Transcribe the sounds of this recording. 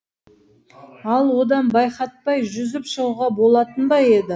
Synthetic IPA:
ɑlˠwo̞d̪ɑnbɑjχɑt̪̚pɑjʒʏzɪpʃəʁuʁɑbo̞lˠɑt̪ənbɑje̞d̪ɪ

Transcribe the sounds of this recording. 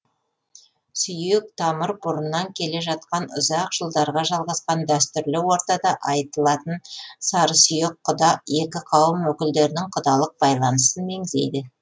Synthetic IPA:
sʏjɪk̚t̪ʰɑməɾbʊɾənːɑŋkʲʰe̞le̞ʒɑt̪̚qɑnʊzɑqʒ̥əlˠd̪ɑɾʁɑʒɑlˠʁɑsqɑnd̪æst̪ʏɾlɪwo̞ɾt̪ɑd̪ɑʔɑjt̪əlˠɑt̪ənsɑɾəsʏjɪqʰːʊd̪ɑje̞kʲɪqʰɑwəmwɵkʲɪld̪e̞ɾɪnɪŋqʰʊd̪ɑlˠəq̚bɑjlˠɑnəsənme̞ŋɪzd̪e̞̰jd̪ɪ

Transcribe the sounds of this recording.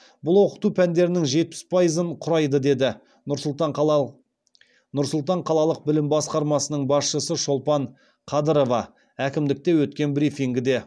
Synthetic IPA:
bʊlˠwo̞qət̪upʰænd̪e̞ɾɪnɪŋʒe̞t̪̚pɪ̥spʰɑjəzəɴqʰʊɾɑjd̪əd̪e̞d̪ɪ | t̪ɑ | nʊɾsʊlˠt̪ɑɴqʰɑlˠɑlˠəq̚bɪlɪmbɑsqɑɾmɑsənəɴbɑsʃəsəʃo̞lˠpɑɴ | qʰɑd̪əɾo̞vɑ | ækʲɪmd̪ɪk̚t̪e̞wɵt̪̚kʲe̞nbɾifiŋɡʲɪd̪e̞

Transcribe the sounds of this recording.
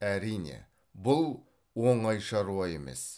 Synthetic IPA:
æɾijnḛ | bʊlˠ | woɴɑjʃɑɾuwɑe̞me̞̰s

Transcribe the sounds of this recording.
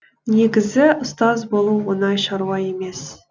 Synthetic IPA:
neɡʲɪzɪʔʊst̪ɑzbolˠuwːənɑjʃɑɾuɑjeme̞s

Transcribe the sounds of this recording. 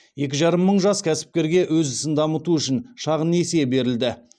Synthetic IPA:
je̞kʲɪʒɑɾəmːəɴʒɑskʲʰæsɪ̥p̚kʲe̞ɾɡʲe̞ʔwɵzɪsɪnd̪ɑmət̪uʏʃɪnʃɑʁəne̞sejbe̞ɾɪld̪ɪ

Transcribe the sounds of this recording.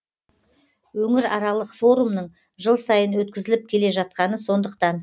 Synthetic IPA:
wɵŋɪɾɑɾɑlˠəqfo̞ɾumnəɴ | ʒəlˠsɑjənwɵt̪̚kʲɪzɪlɪp̚kʲʰe̞le̞ʒɑt̪̚qɑnəso̞nd̪əqt̪ɑn

